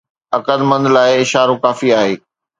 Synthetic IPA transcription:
ɐɾkəd̪mə̃nd̪laːɪɪʃaːɾokaːfiaːɦeː

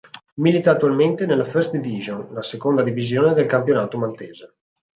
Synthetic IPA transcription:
milit̪aːt̪ːualment̪enelːafɛɾst̪d̪iviʒonlasekond̪ad̪ivizjoːned̪elkampjonaːt̪omalt̪eːze

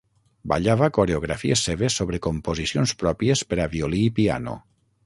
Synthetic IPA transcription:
ba̰ʎaβakoɾeoɣɾafiesːeβesːoβɾekompozisionspɾɔpiespeɾaβioliːpia̰no̰

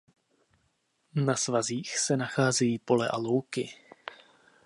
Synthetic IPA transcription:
nasvaziːxsɛnaxaːzɛjiːpo̞lɛʔa̰lo̞wkɪ

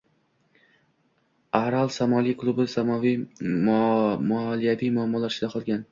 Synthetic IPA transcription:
aɾalˠsamɒlˠijkʰlˠʊbɪsamɒvi | mɒlijavijmʊamːɒlaɾt͡ʃɪd̪aqʰɒlˠɡʲan

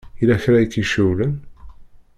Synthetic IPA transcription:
ilæçɾæjikːiʃuwlən

